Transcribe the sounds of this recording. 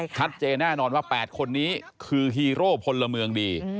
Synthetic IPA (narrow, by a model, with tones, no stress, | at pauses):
t͡ɕʰa˦˥t̪̚t͡ɕeː˧nːɛː˥˩nɔː˧nwaː˥˩pɛː˨˩t̪̚kʰo˧nːiː˦˥ | kʰɯː˧ɦiː˧ɾoː˥˩p̚ʰo˧lːa˧mɯ˧əŋdiː˧